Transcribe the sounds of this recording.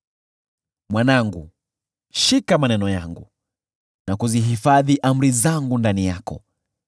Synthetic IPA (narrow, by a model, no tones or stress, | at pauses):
mwanaŋɡṵ | ʃikamanɛnɔja̰ŋɡu | nakuziɦifaðiʔam̩ɾizaŋɡundanijakɔ̰